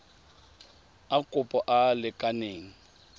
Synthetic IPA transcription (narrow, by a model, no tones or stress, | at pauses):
akʼʊpʼɔʔalɪkʼaneːŋ̩